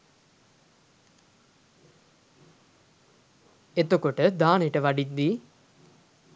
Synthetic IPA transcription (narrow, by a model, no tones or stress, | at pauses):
et̪okoʈəd̪aːnejʈəʋaɖid̪ːi